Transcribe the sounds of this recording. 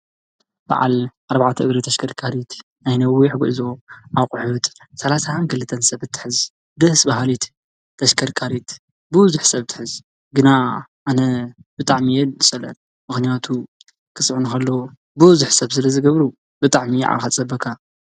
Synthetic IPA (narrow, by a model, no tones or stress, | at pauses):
b̥a̰ʕa̰lʔaɾbaʕat̪ʰɐʔɨɡɾit̪ʰɐʃkʰɐɾkʰaɾit̪ | najnɐwːiħɡuʔzoʔaβqʼʊħut̪ʼsɐlasakʰɨlɨt̪ʰːɐnsɐβɨt̪ʰːɨ̥ħɨz | d̪ɨhsbaɦalit̪ʰː | ɐʃkʰɐɾkʰaɾit̪ | bɨwʊzʊħsɐβt̪ʰɨ̥ħɨz | ɡɨnaʔanɐbɨt̪ʼaʕmijɛd̪ɨsʼɐlɐ̰n | mɨxnijat̪ʰu | kʰɨsʼʕunuxɐlːo | bɨwʊzuħsɐβsɨlɐzɨɡɐβɾu | bɨt̪ʼaʕmiʕa̰lxat͡sʼɐbɐkʰːa